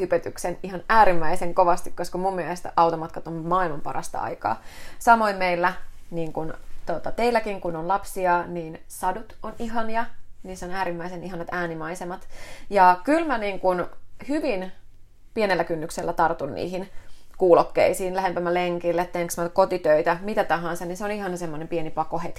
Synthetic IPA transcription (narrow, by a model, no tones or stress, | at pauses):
hypøt̪yksenihɑnæːɾimːæiseŋkoʋɑst̪ikkoskɑmumːielest̪æʔɑwt̪omɑt̪̚kɑt̪ommɑːilmɑmpɑ̰rɑ̰st̪ɑ̰ɑ̰ikɑ̰ːsɑmoimmeilːæniːŋkunt̪ot̪ɑt̪eilːækiŋkunonlɑpsiɑniːn | sɑdut̪oniɦɑnjɑniːsonæːɾimːæiseniɦɑnɑt̪æːnimɑisemɑt̪jɑkylmæniːŋkunhyʋin | pienelːækynːykselːæt̪ɑrt̪unnḭːhinkuːlokːḛisiːnlæɦempæmːæleŋkilːet̪t̪eŋksmækot̪it̪øit̪æmit̪æt̪ɑɦɑnsɑninseoniɦɑnsemːonempienipɑkohet̪